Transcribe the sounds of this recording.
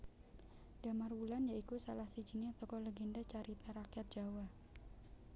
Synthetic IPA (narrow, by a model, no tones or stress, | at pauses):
d̥amarwulanjaikusalahsid͡ʒiniat̪ɔkɔlɛɡɛndat͡ʃaɾit̪aɾakjat̪̚d͡ʒ̥awa